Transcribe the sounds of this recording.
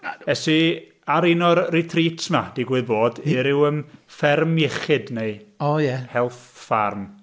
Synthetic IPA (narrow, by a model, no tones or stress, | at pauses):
ɛsi | aɾinɔrrɪtʰriːtʰma̰d̥iɡwɨðboːdiɾɪwəmfɛrmɪχɨdneɨojɛhɛlˠθfa̰rm